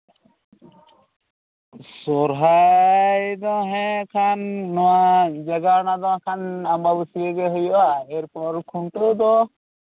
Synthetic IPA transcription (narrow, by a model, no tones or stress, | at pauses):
sɔɾɦajd̪ɔɦɛ̃kʰanːɔwad͡ʒaɡanad̪ɔakʰanambabusieɡɛɦujɔʔaɛɾpɔɾkʰuɳʈəd̪ɔ